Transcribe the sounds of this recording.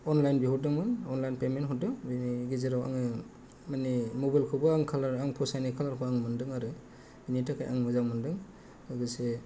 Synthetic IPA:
ɔnlajnbiɦɔdɯŋmɯnɔnlajnpementɦɔdɯŋbiniɡiziɾawa̰ŋɯ | manimobajlkʰɯbɯaŋkʰalaɾaŋpʰɔsajnikʰalaɾkʰɔaŋmɯndɯŋaɾɯ | binitakʰa̰jʔa̰ŋmɯzawmɯndɯŋ | aɡɯse

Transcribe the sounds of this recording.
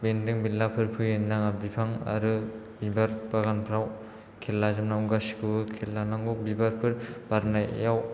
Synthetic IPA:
bendɯŋbilːapʰɯɾpʰɯjɯnːaŋabipʰaŋa̰ɾɯ | bibaɾpaɡanpʰɾaw | kʰelːazamnauɡasikʰɯbɯkʰelːanaŋɡubibaɾpʰɯɾb̥aɾnaj̰jaw

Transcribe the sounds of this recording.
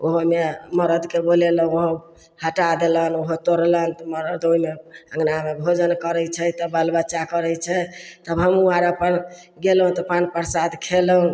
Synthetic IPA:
oɦomeməɾəd̪keboleləɦũoɦo | həʈad̪elənoɦot̪oɾlənt̪məɾəd̪oɦimeə̃ŋɡnamebʱod͡ʒənkəɾɛt͡ʃʰɛt̪əbəlbəːʃakəɾət͡ʃʰɛt̪əbɦəmuaɾəpən | ɡelɦũt̪ɔpanpəɾsad̪kʰeləɦũ

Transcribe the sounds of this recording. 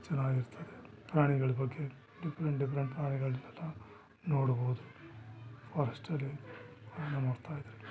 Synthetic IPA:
t͡ʃɐnːaːɡiɾut̪ʰːɐd̪epɾaːɳiɡɐɭubɐɡːe̞ | ɖifɐɾeɳʈɖipɾeɳʈpɾaːɳiɡɐɭinɛlːɐ | noːɽuboːud̪u | pɐːɾɐsʈɐlːi | nɐmoːɽt̪ʰaːjid̪iɾe

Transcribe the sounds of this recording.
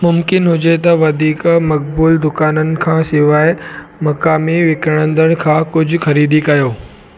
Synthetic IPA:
mʊmkɪnɦʊd͡ʑet̪ɐʋɐd̪ʱiːkmɐk̚buːld̪ʊkaːnənɪ̆kʰãːsɪʋaːɪmɐkaːmiʋɪkəɽ̃ə̃nd̪əɽ̃̆kʰãːkʊd͡ʑʱʊ̆xɐɾiːd̪ikɐjoː

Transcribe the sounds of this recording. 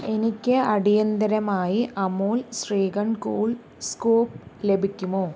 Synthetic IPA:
e̞nikʲːɨɐɽijɐnd̪ɐɾɐmaːjiʔɐmoːlsreːɡɐɳkoːɭ | skoːp̚le̞bʱikʲːumoː

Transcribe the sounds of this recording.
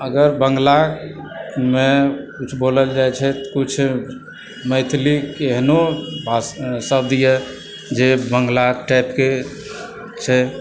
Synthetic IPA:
əɡəɾbəŋɡla | mekut͡ʃʰboləld͡ʒajt͡ʃʰɛt̪kut͡ʃʰ | məɪt̪ʰlikeɦnobʱassəb̚d̪ijɛ | d͡ʒebəŋɡlaʈaɪpke | t͡ʃʰɛ

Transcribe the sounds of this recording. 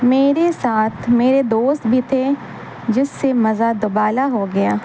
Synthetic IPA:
meːɾesaːt̪ʰmeːɾed̪oːst̪̚bʱit̪ʰe | d͡ʒɪsːemɐzad̪ʊbaːlaɦoɡɐjaː

